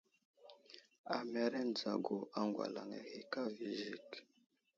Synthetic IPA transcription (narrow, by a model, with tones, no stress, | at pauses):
a˨mɛ˨ɾɛ˦n˨d͡za˨ɡo˨ʔa˨ŋɡwa̰˨la˨ŋɛ̰˨hi˨ka˦vi˨ʒi˦k